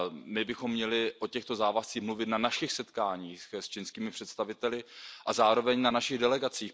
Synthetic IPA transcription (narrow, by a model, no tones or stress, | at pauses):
mɪbɪxo̞mːɲɛlɪʔocɛxt̪o̞zaːvast͡siːxmluvɪt̪nanaʃɪxsɛt̪kaːɲiːxst͡ʃɪnskiːmɪpr̝̥ɛt̪st̪avɪt̪ɛlɪʔazaːɾo̞vɛɲnanaʃɪɣdɛlɛɡat͡siːx